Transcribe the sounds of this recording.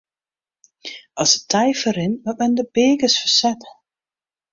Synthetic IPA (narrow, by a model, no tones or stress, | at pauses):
ɑsətʰɛjfəɾɪnʋɔt̚mɛndəbeːkəsfəsɛtə